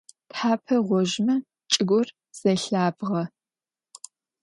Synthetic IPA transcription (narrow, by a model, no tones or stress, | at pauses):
tħaːpʰɐʁʷɔʒmɐ | t͡ʃʼɪɡʷʊr | z̥ɐɬaːbʁɐ